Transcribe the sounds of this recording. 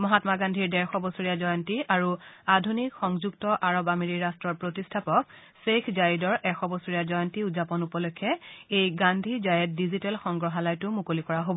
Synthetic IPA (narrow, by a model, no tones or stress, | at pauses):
mɔɦatmaɡandʱiɹdɛɹxɔbɔsoɹijazɔjɔntiʔaɹuadʱunikxɔŋzuktɔʔaɹɔbameɹiɹastɹɔɹpɹotistʰapɔk | sekʰzaɹidɔɹʔɛxɔbɔsoɹijazɔjɔntiuzapɔnupɔlɔkʰːɛejɡandʱizajɛt̚dizitɛlxɔŋɡɹɔɦalajtʊmukolikɔɹaɦobɔ